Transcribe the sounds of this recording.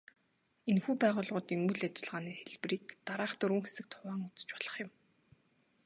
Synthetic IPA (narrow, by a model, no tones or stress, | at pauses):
enxuːpæːʁʊːɮʁʊːt̪iːŋuɮat͡ɕɪ̆ɮʁaːniːxeɮpriːkt̪aɾaːχt̪ɵɾŭːŋxesɘ̆k̚t̪ʰʊwaːŋʊt͡sə̥̆t͡ɕpɔɮ̥ə̆χjɪ̆m